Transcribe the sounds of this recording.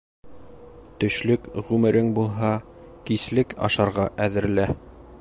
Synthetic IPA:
t̪ɵ̆ʃlɵkʁʉmɘ̆ɾɘŋbulˠɦɑ | kislɘkɑ̰ʃɑɾʁɑʔæðɘ̆ɾɘ̆læ

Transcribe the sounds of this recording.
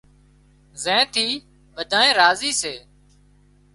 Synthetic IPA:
zɛ̃ːt̪ʰiː | ʋəd̪ʱaːnẽːɾaːziːseː

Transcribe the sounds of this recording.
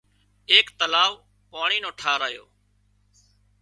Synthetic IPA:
eːkt̪əlaːʋ | paːɳiːnõːʈʰaːɾaːjo̰ː

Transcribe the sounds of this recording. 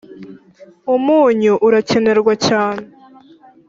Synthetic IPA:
umuːɲuʔuɾace̞ne̞ɾɡwacaːne

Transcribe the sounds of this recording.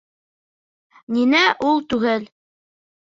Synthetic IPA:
ninæʔulˠt̪ʉɡɘl

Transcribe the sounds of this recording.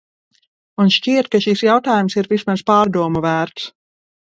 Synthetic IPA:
unʃt͡ʃiɛt̪̚kaʃisjawt̪aːjumsiɾvismaspɑːɾd̪uɔmuvæːɾt̪s

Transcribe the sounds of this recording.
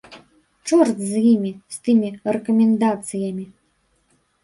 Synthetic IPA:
t͡ʂɔrt̪zjimʲist̪ɨmʲirɛkɐmʲɛnd̪at̪sɨjɐmʲi

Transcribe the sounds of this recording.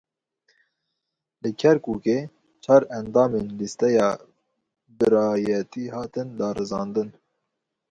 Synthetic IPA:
lɨkʰɛɾkuːkeː | t͡ʃʰɑːɾɛnd̪ɑːmenlist̪ɛjɑː | bɨɾɑːjɛt̪ʰiːhɑːt̪ɨnd̪ɑːɾɨzɑːnd̪ɨn

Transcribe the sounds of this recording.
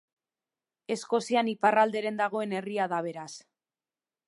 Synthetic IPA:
e̞sko̞sianiparald̪e̞ɾe̞nd̪aɣ̞o̞e̞ne̞riaðaβ̞e̞ɾas

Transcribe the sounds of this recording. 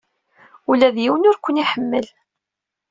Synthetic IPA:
ulæðjiwənʊɾkʷːəniħəmːəl

